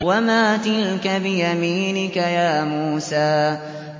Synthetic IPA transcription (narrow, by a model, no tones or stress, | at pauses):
wamaːt̪ɪlkabɪjamiːnɪkajaːmuːsaː